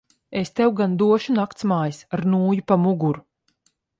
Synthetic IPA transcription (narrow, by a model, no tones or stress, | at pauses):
est̪ɛwɡand̪uɔʃunakt̪smaːjisaɾnuːjupamuɡuɾu